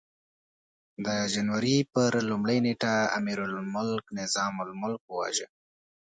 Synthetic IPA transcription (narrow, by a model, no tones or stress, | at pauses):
d̪əd͡ʒanwaɾipəɾlʊmləjneʈaa̰miɾʊlmʊlknɪzɑmʊlmʊlkwwa̰ʒə